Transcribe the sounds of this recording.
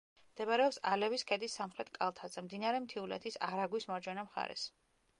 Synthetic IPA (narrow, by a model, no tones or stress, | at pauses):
md̪̥ɛbaɾɛɔpsalɛviskʰɛd̪isːamχɾɛt̪ʰkʼalˠt̪ʰad̪zɛmd̪inaɾɛmt̪ʰiulɛ̰t̪ʰisaɾaɡwismaɾd͡ʒwɛnamχa̰ɾɛ̰s